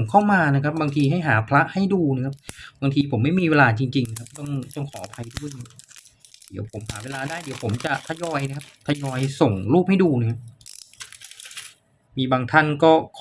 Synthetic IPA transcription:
ŋkʰa˥˩wmaː˧na˦˥kʰa˦˥p̚baː˧ŋt̪ʰiː˧ɦa˥˩jɦaː˩˦pʰɾa˦˥ʔha˥˩jduː˧na˦˥kʰa˦˥p̚baː˧ŋt̪ʰiː˧pʰo˨˩˦mːa˥˩jmiː˧weː˧laː˧t͡ɕi˧ŋt͡ɕi˧ŋna˧kʰa˦˥p̚t̪ɔ˥˩ŋt̪ɔ˥˩ŋkʰɔː˩˦a˧pʰa˧jdu˥˩˨j | di˩˦wpʰo˩˦mɦaː˩˦weː˧laː˧daː˥˩jdi˨˩˦wpʰo˩˦mt͡ɕa˨˩t̪ʰa˧jɔː˧jna˦˥kʰa˦˥p̚t̪ʰa˧jɔː˧jso˨˩ŋɾuː˥˩p̚ha˥˩jduː˧na˦˥kʰa˦˥p̚ | miː˧baː˧ŋt̪ʰa˥˩nkɔː˥˩kʰː

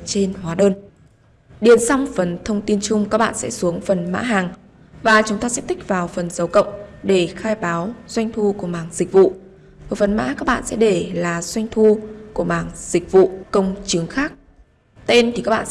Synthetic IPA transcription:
t͡ɕe˧nɦwaː˨˦ɗəː˧n | ɗi˨˩ənsa˧wŋ͡mfə˨˩nt̪ʰə˧wŋ͡mt̪i˧ənt͡ɕʊ˧ŋ͡mkaː˦˥k̚ɓa̰ː˧˨nsɛ̰˧˥su˨˦əŋfə˨˩nma̰ː˧˥ɦaː˨˩ŋ | vaː˨˩t͡ɕʊ˨˦ŋ͡mt̪aː˧sɛ̰˦˥p̚t̪i˦˥k̚vaː˨˩wfə˨˩nzə˨˦wkə̰˧˨wŋ͡mɗe˧˩xaː˧jɓaː˨˦wzwa˧jŋ̟t̪ʰu˧ku˧˩əɓaː˨˩ŋzi˨˩k̟̚vṵ˧˨ | əː˨˩fə˨˩nma̰ː˧˥kaː˦˥k̚ɓa̰ː˧˨nsɛ̰˧˥ɗe˧˩laː˨˩zwa˧jŋ̟t̪ʰu˧ku˧˩əɓaː˨˩ŋz̥ï˨˩k̟̚vṵ˧˨kə˧wŋ͡mt͡ɕɨ˨˦əŋxaː˦˥k̚ | t̪e˧nt̪ʰi˨˩kaː˦˥k̚ɓa̰ː˧˨

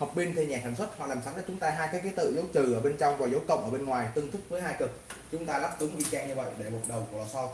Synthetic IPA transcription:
hə˨˩k͡p̚ɓi˧nt̪ʰe˧ɲɛ˨˩saː˧˩ŋswt̚hɔ̰˧˨laː˨˩msa˨˦ŋɗaː˨˦˥t͡ɕʊ˨˦ŋ͡mt̪aː˧ɦaː˧jkaː˨˦˥ki˨˦t̪ɨ̰˧˨zɨ̰˨˦wt͡ɕɨ˨˩ʔəː˧˩ɓe˧nt͡ɕɔ˧wŋ͡mvaː˨˩zə˨˦wkə̰˧˨wŋ͡mʔəː˧˩ɓe˧nŋwaː˨˩jt̪ɨ˧ŋt̪ʰɨ˦˥k̚vəː˨˦jɦaː˧jkɨ˨˩k̚t͡ɕʊ˨˦ŋ͡mt̪aː˧laː˦˥p̚t̪ɨ˨˦ŋvḭ˧˩t͡ɕɛ˧ɲɨ˧və̰˧˨jɗe˧˩ɓu˨˩ət̚ɗə˨˩wklɔ˨˩sɔ˧

